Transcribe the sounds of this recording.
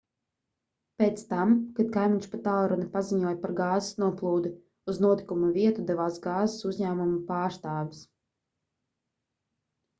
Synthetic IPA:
peːt̪st̪amkad̪̚kajmʲiɲʃpat̪alˠɾɔnipaziɲuɔjpaɾɡɑːzɪ̥snuɔplˠuːd̪i | uznuɔt̪i̥kumuvʲiɛt̪ud̪ɛvaːsɡɑːzɪsuzɲæːmumupaːɾst̪aːvis

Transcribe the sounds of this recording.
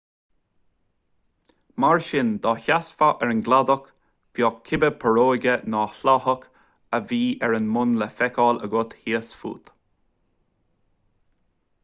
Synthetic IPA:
maɹʃɪnd̪ɔːçasfaʔɛɹənɡlad̪ɔk | v̥jɔkʰːɪbəpʰəɹoːɡənɔːɬɔhək | əviːʔɛɹənmʊnləfɛkʰɔːlə̰ɡʊt̪hiəsfṵːt̪

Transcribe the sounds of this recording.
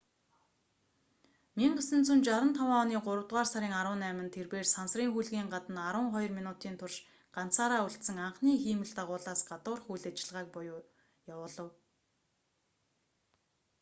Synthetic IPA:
miŋɢesɘ̆nt͡sunt͡ɕaɾə̆nt̪ʰawaːɔniːɢʊɾə̆wt̪̚ʁaːrsaɾʲiːŋaɾʊːnæːmə̆nt̪ʰerpeːrsansriːŋxujɮɣiːŋɢat̪ə̆naɾʊ̆ːɴχɔjɞ̆rminʊːt̪iːnt̪ʰʊrʃ | ɢ̥an̥t͡saːɾaːuɬt̪sə̆ŋaɴχniːxiːmɘ̆ɮt̪aʁʊːɮaːsɢat̪ʊ̆ːrxujɮat͡ɕɪ̆ɮʁaːk̚pʊjʊː | jawʊːɮə̆w

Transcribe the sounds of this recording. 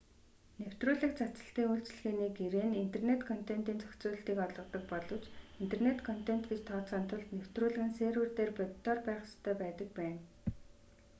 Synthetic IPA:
new̥t̪rʊːɮɘ̆kt͡sʰat͡sə̥̆ɬt̪iːŋuːɬt͡ɕɮɣeːniːɡeɾeːnin̥t̪ernet̪kʰɔn̥t̪en̥t̪iːnt͡sœ̥kʲt͡suːɮə̆ɬt̪iːkɔɮʁɞə̆qt̪ɞ̆k̚pɔɮɞ̆wt͡ɕin̥t̪ernet̪kʰɔn̥t̪en̥t̪ɡet͡ɕt̪ʰːɔːt͡sɔːnt̪ʰʊɮt̪new̥t̪rʊːɮɘ̆ɣɘ̆nseːɾwɘ̆rt̪eːrpʊt̪ːɔrpæːχst̪ʰːœːpæːt̪ə̆k̚pæːn

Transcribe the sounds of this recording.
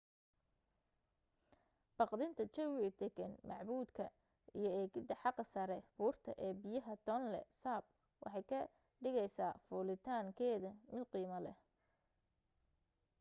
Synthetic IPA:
b̥ɑqd̪ɪnt̪ʰɐt͡ʃɛwɪɐd̪̥ɛɡɛnmɑʕbuːd̪kʰɐ | ijɞɛːɡɪd̪ɐħɑqɐsɐɾɛfuːrt̪ʰɐ̰ʔɛːbɪjɐɦɐt̪ʰɔnlɛ̰saːb̚ | wʔɑ̰ħɑjkʰɐ | ɖɪɣɛjsaːfuːlɪt̪ʰaːŋkʰɛːðɐmɪd̪qiːmɐlɛ̰

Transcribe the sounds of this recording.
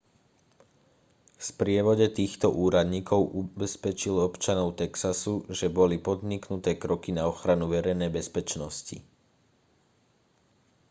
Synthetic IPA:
fspɾɪɛʋɔɟɛt̪iːxt̪ɔʔuːɾad̪ɲiːkɔʊʔubɛspɛt͡ʃilɔpt͡ʃanɔʊt̪ɛksasuʒɛbɔlipɔd̪ɲiknut̪ɛːkɾɔkinaɔxɾanuʋɛɾɛjnɛjbɛspɛt͡ʃnɔscḭ

